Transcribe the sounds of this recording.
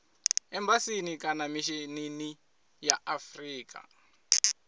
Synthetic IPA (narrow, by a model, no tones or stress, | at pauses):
ɛmbasinikanamiʃinini | jaafriːkʼa̰